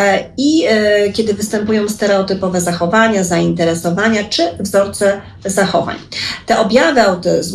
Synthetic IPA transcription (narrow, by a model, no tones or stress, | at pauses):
ikʲɛd̪ɘvɘst̪ɛmpujɔ̃w̃st̪ɛɾɛɔt̪ɘpɔvɛzaxɔvaɲazaint̪ɛɾɛsɔvaɲat͡ʂɘvzɔɾt̪sɛ | zaxɔva̰ɲt̪ɛʔɔbʲjavɘawt̪ɛz